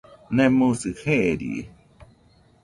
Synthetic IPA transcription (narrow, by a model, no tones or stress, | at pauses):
nẽmũsɨheʔɾḭ